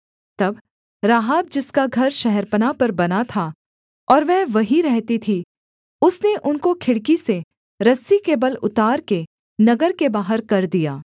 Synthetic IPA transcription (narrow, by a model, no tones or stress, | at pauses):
t̪ɐb | ɾaːɦaːb̚d͡ʒɪskaɡʱɐɾʃɛɦɛɾpənapɐɾbɐnat̪ʰa | ɔːɾʋɛɦʋɐɦiɾɛɦt̪it̪ʰi | ʊsneʔʊnkokʰɪɽkise | ɾɐsikeːbəlʊt̪aːɾke | nɐɡəɾkebaːɦəɾkɐɾd̪ijaː